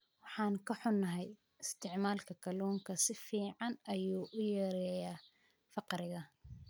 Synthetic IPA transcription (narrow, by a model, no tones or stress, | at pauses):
wɑħɑːŋkʰɐħʊnːɐɦɛj | ɪst̪ʰɪʕmaːlkʰɐkʰɐluːŋkʰɐsɪfiːʕɑnɐjuːʔʊjɐɾɛjɐ | fɑqɾɪɣɐ